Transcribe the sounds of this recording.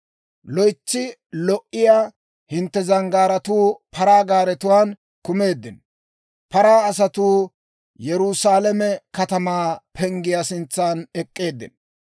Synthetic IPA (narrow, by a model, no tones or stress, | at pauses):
lɔjt͡ʃːɪlɔʔɪjaː | hɪnt̪ːɛzɐŋɡaːɾɐt̪uːpʰɐɾaːɡaːɾɛt̪ʊwaːn | kʊme̞ːd̪ːɪn | pɐɾaːɐsɐt̪uː | jɛɾusaːlɛmɛkɐt̪ɐmaːpʰɛŋɡɪjasɪnt͡sːaːnɛkʼːe̞ːd̪ːɪ̰n